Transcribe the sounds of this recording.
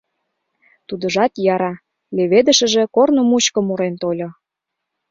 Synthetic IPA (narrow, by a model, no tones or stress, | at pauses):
t̪ud̪ə̆ʒɑt̪jɑɾɑ | leβed̪ə̆ʃə̆ʒĕkornŏmut͡ɕkə̆muɾent̪olʲŏ